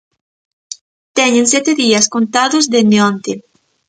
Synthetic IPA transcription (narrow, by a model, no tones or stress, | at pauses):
t̪ɛɲẽns̬jɛt̪eðiɐskont̪aðozðend̪eont̪e